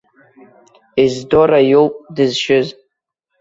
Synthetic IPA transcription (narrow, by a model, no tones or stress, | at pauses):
izdoɾajowpʼdɨzʃɪz